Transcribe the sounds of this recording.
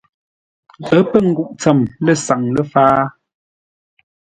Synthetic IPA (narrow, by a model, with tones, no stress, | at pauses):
ə˦pə˦˨ŋ̩˨ɡu˦˨ʔt͡sə˨mlə˦˨sa˨ŋlə˦faː˦